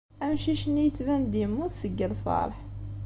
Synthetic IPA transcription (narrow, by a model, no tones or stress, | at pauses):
æmʃiʃənijət͡sːvænd̪jəmːuðsəɡːəlfɑ̰ɾˤħ